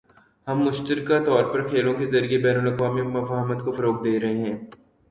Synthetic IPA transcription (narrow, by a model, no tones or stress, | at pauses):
hɐmːʊʃt̪əɾɪkat̪ɔːɾpɐɾkʰeːlõkezɐɾiebɛːnəlɐqʋaːmimɐfaːɦmət̪kofɐɾoːk̚d̪eːɾɐɦeɦɛ̃ː